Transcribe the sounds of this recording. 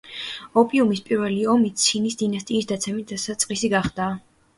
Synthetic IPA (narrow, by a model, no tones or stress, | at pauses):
ɔpʼiumispʼiɾvɛliɔmit̪sʰinisd̪inast̪ʼiːsd̪at̪sʰɛmit̪asat̪sʼqʼisiɡaχd̪aː